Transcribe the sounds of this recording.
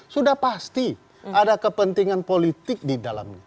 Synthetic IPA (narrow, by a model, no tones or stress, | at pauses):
sudahpast̪i | adakəpənt̪iŋanpolit̪ɪk̚didala̰mɲa